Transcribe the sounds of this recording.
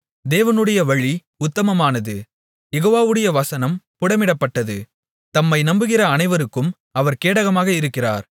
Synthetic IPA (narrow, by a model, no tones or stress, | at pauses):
d̪eːʋɐnɯɽɐjɐʋɐɻi | ʊt̪ːɐmɐmaːnɐðɯ | jɛɣoːʋaːʋɯɽɐjɐʋɐsɐnɐmpʊɽɐmɪɽɐpːɐʈːɐðɯ | t̪ɐmːɐɪnɐmbɯɣɪrɐːnɐɪʋɐɾɯkːɯm | ɐʋɐɾkeːɽɐɣɐmaːɣɐɪɾɯkːɪra̰ːɾ